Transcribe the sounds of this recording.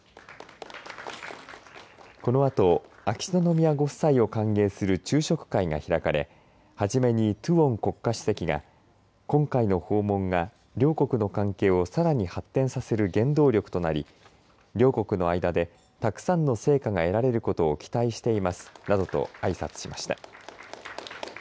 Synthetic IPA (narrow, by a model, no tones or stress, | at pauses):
ko̞no̞at̪o̞akʲi̥nono̞mʲiaɡo̞̥saio̞kãŋɡe̞ːsɨɾɯ̟t͡ɕɨːɕo̞kɯ̟̥kaiɡa̰çiɾakaɾe̞̰ | haʑime̞ɲ̟it̪ɯ̟õ̞ŋko̞kːaɕɨ̥se̞kʲiɡa̰ | kõ̞ŋkaino̞ho̞ːmõ̞ŋɡa | ɾʲo̞ːko̞kɯ̟no̞kãŋke̞ːo̞saɾaɲ̟ihat̪ːẽ̞ɰ̃sase̞ɾɯ̟ɡẽ̞nd̪o̞ːɾʲo̞kɯ̟̥t̪o̞naɾʲḭ | ɾʲo̞ːko̞kɯ̟no̞aid̪ad̪e̞ | t̪akɯ̟̥sãnːo̞se̞ːkaɡae̞ɾaɾe̞ɾɯ̟ko̞t̪o̞ːkʲi̥t̪aiɕi̥t̪e̞imasɨ̥nad̪o̞t̪o̞̰aisat͡sɨ̥ɕima̰ɕi̥t̪a̰